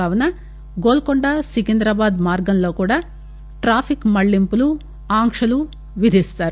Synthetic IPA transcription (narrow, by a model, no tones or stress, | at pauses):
aːʋɐnɐ | ɡoːlkoɳɖɐsikind̪ɾɐbaːd̪maːɾɡɐnloːkuːɽaː | ʈɾaːpʰikmɐɭːimpulu | aːŋkʂɐlu | ʋid̪ʱist̪aːɾu